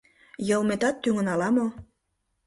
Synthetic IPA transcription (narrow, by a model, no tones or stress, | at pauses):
jɤ̆lmet̪ɑt̪ːyŋə̆nɑlɑmo